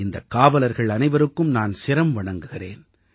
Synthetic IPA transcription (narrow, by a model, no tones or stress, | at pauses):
ɪnd̪ɐkːaːʋɐlɐɾɣɐɭɐnɐɪʋɐɾɯkːɯmnaːnsɪɾɐmʋɐɳɐŋɡɯɣɪreːn